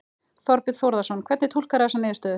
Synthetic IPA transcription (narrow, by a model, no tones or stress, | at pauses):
θɔɾpɪðθowɾðasɔnkʰvɛɾt̪nɪt̪ʰul̥kaɾɛasɛmnɪɪst̪œð